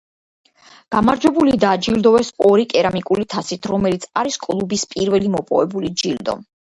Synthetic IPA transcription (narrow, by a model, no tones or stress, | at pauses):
ɡ̥amaɾd͡ʒwɛbulid̪ad͡ʒild̪ɔɛsɔɾikʼɛɾamikʼulit̪ʰasit̪ʰɾɔmɛlit̪sʰaɾiskʼlˠubispʼiɾvɛlimɔpʼɔvɛbulid͡ʒild̪ɔ̰